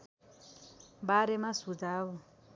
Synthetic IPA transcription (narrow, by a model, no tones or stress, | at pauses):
baɾɛmasud͡zaːβɔ